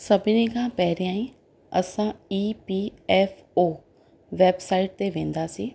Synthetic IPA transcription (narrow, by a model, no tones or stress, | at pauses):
səbɪnikãːpɛɦɾijãːĩː | ə̰sãːiːpiːɛːfʰ | oː | ʋɛːbsaːɪʈ̚t̪eʋẽːnd̪aːsiː